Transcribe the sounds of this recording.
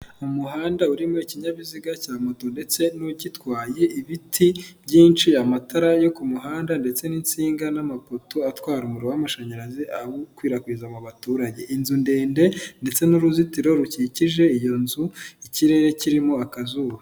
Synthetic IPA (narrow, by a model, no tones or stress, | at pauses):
umuhaːndauɾimo̞iciɲaβiziɡacaːmoto̞nde̞t͡se̞nucitwaːje̞iβitʰibjɟiːnt͡ʃiamatʰaɾajo̞kumuɦaːndande̞t͡se̞nint͡siːŋɡanamapotoatwaːɾumuɾowamaʃaɲaɾaziʔaɡukwiːɾakwiːzamuβatuːɾaɟe̞ʔinzunde̞ːnde̞nde̞t͡se̞nuɾuzitiɾo̞ɾuciciʒe̞ijo̞nzuiciɾe̞ɾe̞ciɾimo̞akazuːwa